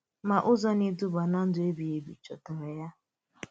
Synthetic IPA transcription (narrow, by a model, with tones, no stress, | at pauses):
ma˨ʔʊ˦zɔ˦ni˦du˦ba˨na˦n̩˦dʊ˨e˦bi˨e˨bḭ˨t͡ʃɔ˨tʊ˨me˨ja˦